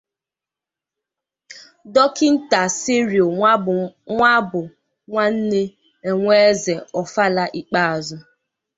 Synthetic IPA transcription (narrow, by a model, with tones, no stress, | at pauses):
dɔ˦kɪ˦n̩˦ta˨si˦ɾjo˨ | ŋʷa˦bʊ˨ | ŋʷa˦n̩˦ne˦ | e˨ŋʷe˦ze˨ɔ˨fa˦la˦ʔi˦k͡pa˦a˨zʊ˦